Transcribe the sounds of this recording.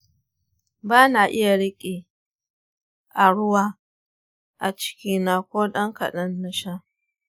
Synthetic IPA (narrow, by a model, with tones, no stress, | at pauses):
baː˦na˨ʔɪ˦ja˨ɽɪ˦kʲʼiː˨ | ʔa˨ɽʊ˦waː˨ | ʔa̰˨t͡ʃɪ̥˦kʲiː˦na˨kʷoː˦ɗɐ˦ŋka̰˨ɗɐ˦nːɐ˦ʃa˦